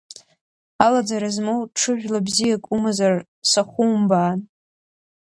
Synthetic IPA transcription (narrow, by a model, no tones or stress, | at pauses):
alad͡zaɾazmowʈ͡ʂʰɨʒᶣlabzijakʼumazar | saχʷumbaːn